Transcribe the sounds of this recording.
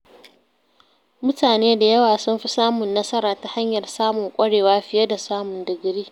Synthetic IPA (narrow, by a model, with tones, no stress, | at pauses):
mʊ˦taː˨neː˦da˨jɐ˦waː˨sʊ˦mɸi˦saː˦mʊ˨nːɐ˦sɐ˦ɾaː˨ta˦ha˦ɲjɐ˨rsaː˦mʊ˨ŋkʷʼɐ˦ɽeː˨waː˦ɸɪ˦jɐ˦da˨saː˦mʊ˨ndɪ˨ɡɾiː˦